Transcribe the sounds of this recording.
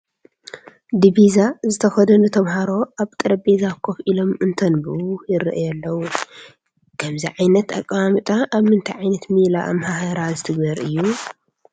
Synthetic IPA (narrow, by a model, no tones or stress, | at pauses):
d̪ibizazɨt̪ʰɐxɐd̪ɐnɨt̪ʰɐβhaɾo̞ʔaβt̪ʼɨɾɐbezakʰofʔilo̞mɨnt̪ʰɐnbɨwujɪɾ̰ʔɐjɛlːɐwu | kʰɐmziʕajnɐt̪a̰kʼːawamɨt̪ʼaʔːβmɨnt̪ʰajʕajnɐt̪mila̰ʔa̰mhahɐɾazɨt̪ʰɨɡbɐɾɨjːu